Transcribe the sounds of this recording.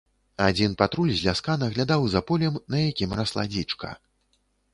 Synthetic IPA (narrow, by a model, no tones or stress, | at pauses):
ad͡zʲinpat̪ɾulʲzʲlʲaskanɐɣlʲad̪awzapɔlʲɛmnɐjakʲimɾaslˠa̰d͡zʲit͡ʂkɐ̰